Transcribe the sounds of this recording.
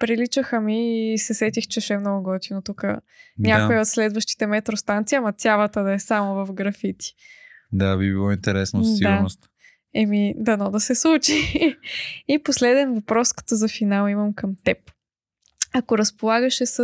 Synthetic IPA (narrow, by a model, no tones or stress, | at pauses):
pɾilit͡ʃəxəmisɛsɛt̪ixt͡ʃɛʃɛmnɔɡʊɡɔt̪inot̪ukə | nʲakojɛot̪slɛd̪vəʃt̪i̥t̪ɛmɛt̪ɾost̪ant̪siɐmɐt̪ʲjavət̪əd̪ɐɛsamovɐfɡɾɐfit̪i̥d̪abibilˠɔĩnt̪ɛɾɛsnosid̪aɾnost̪ | ɛmid̪ɐnɔd̪ɐsɛslˠut͡ʃi | iposlɛd̪ɛnvɐpɾɔskə̥t̪əzɐfinalˠimɐmkɐmt̪ɛp | ɐkoɾɐspolˠaɡəʃɛsə